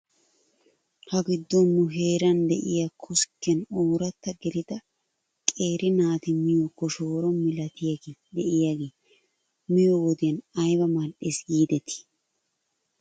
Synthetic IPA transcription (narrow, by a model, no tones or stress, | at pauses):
hɐɡɪd̪ːɔnːʊɦe̞ːɾɐnd̪ɛʔɪjakʰʊskːɛnuːɾɐt̪ːɐɡɪlɪd̪ɐ | kʼe̞ːɾʔɪnaːt̪ɪmɪjokːɔʃoːɾɔnmɪlɐt̪ɪjɐɡeːd̪ɛʔɪjaɡeː | mɪjɔwɔd̪ɪjɐnɐjbɐmalʔeːsɡiːd̪ɛt̪ːɪ̥